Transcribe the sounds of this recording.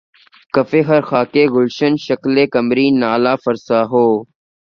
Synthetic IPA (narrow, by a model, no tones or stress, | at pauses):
kəfeːɦəɾxaːkeːɣʊlʃənʃəkleːkəmɾiːnaːlaːfəɾsaːɦoː